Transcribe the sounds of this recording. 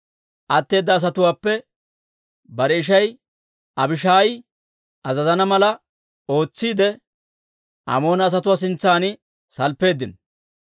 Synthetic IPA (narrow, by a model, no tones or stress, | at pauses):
ʔɐt̪ːe̞ːd̪ːɐːs̬ɐt̪ʊwaːpːɛ | bɐɾɛɪʃ̬ɐj | ɐbɪʃaːj | ʔɐzɐzɐnɐmɐlɐ | o̞ːt͡sːiːd̪ɛ | ɐ̰mo̞ːnɐːs̬ɐt̪ʊwaːs̬ɪnt͡sːaːnɪ | sɐlpːe̞ːd̪ːɪn